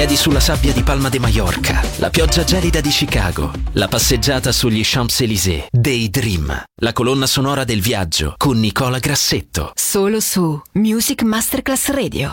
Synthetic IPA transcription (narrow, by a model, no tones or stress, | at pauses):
ɛːd̪isulːasabːjad̪ipalmad̪imajɔrkʰa̰lʔa̰pjɔd͡ʒːad͡ʒɛːlid̪ad̪it͡ʃika̰ːɡo̰lapasːed͡ʒːaːt̪asuʎːiʃampselizḛd̪ejd̪ɾimlakolonːasonɔːɾad̪elvjad͡ʒːo̰konːikɔːlaɡɾasːet̪ːo̰soːlosumjuːzikmast̪erklasrɛːd̪j̰o